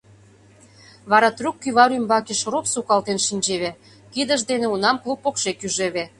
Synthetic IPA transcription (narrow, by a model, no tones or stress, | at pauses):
βɑɾɑt̪rukːyβɑɾymbɑkeʃropsukɑlt̪enʃinʲd͡ʑeβe | kid̪ə̆ʒd̪enĕunɑmklˠupːokʃekyʒeβe